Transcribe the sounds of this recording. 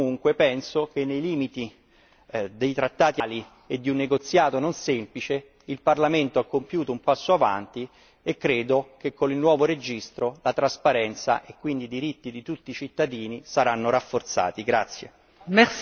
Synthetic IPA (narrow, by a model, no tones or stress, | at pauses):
uŋkwepɛnsokenːejliːmit̪i | d̪ejt̪ɾat̪ːaːt̪iali | ed̪ːiunːeɡot̪sːjaːt̪ononsemplit͡ʃe | ilparlament̪oakːompjuːt̪oumpasːoava̰nt̪i | ekːɾeːd̪okekːonilnːwɔːvoɾed͡ʒist̪ɾolat̪ɾaspaɾɛnt̪sa̰ʔekːwind̪id̪iɾit̪ːid̪it̪ut̪ːit͡ʃit̪ːad̪iːnisaɾanːoɾafːort̪sa̰ːt̪iɡɾat̪sːjḛ | mɛ